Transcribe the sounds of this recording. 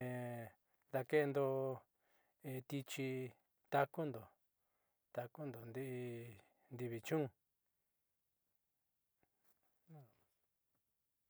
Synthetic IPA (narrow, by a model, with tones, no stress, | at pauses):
ẽ˨˧ | ða˧ke˦˧nd̪o˧ | ẽ˧t̪i˧t͡ʃi˧ | t̪a˧ku˦nd̪o˨ | t̪a˧ku˦nd̪o˨nd̪i˦ʔi˧ | nd̪i˧βi˧t͡ʃũ˦˧